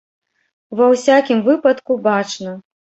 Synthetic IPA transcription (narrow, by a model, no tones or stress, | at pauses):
vɐwsʲakʲimvɨpɐt̪kubat͡ʂnɐ